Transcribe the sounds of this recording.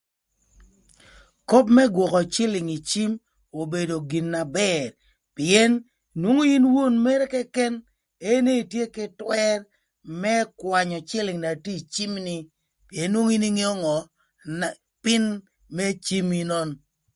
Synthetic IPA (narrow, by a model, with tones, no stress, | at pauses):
ko˦pmɛ˦ɡwɔ˨kɔ˨t͡ʃɪ˦lɪ˨ŋi˨t͡ʃi˦m | o˨be˨do˨ɡi˨nːa˨bɛ˦r | pɪ˨ɛ˦n | nwo˦ŋo˦i˦nwo˦˨nme˦ɾe˦kɛ˦kɛ˦n | e˦ne˦i˨tje˦kɪ˦twɛ˦r | mɛ˦kwa˨ɲɔ˨t͡ʃɪ˦lɪ˨ŋna˨ti˦˨t͡ʃi˦mnɪ˦ | pi˨e˨˦nːwo˦ŋi˦ni˦ŋe˦ɔ˦ŋɔ˨ | n | pɪ˦n | me˦t͡ʃi˦mi˦nɔ˦n